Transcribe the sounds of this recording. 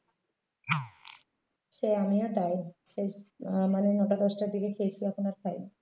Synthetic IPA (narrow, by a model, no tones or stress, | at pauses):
ʃeamiad̪ajʃemanenɔʈad̪ɔʃʈaɾd̪ikekʰejet͡ɕʰiaponaɾkʰaj